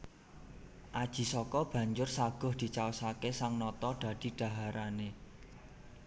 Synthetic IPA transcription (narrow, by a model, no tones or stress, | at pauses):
ʔad̥ʒ̥i̤sɔkɔb̥ä̤ɲd͡ʒʊrsaɡ̥ʊ̤hd̪̥i̤t͡ʃaosakesaŋnɔt̪ɔɖ̥ä̤d̪̥i̤ɖ̥a̤ɦaɾane